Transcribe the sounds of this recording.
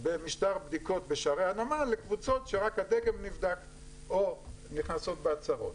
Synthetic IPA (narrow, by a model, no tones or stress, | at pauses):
bemiʃtaʁbd̪iko̞t̪beʃaʁeanamalekvut͡so̞tʃeʁakhad̪ekemnivd̪ak | oniχnaso̞t̪̚beat͡saʁo̞̰t̪